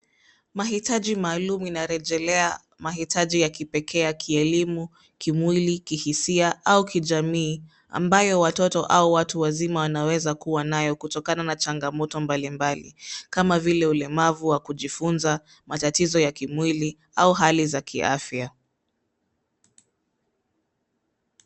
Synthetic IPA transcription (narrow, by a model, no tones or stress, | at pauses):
maɦitaʄimaːlumuinaɾɛʄɛlɛa | maɦitʰaʄijakipɛkʰɛjakʰiɛlimu | kimwilikihisiaʔaukʰiʄamiː | a̰mbajɔwatɔtɔʔauwatuwazimawanawɛzakuwanajɔkutɔkananat͡ʃaŋɡamɔtɔmbalimbalḭkamavilɛulɛmavuwakuʄifunza | matatizɔjakimwili | auɦalizakḭʔa̰fja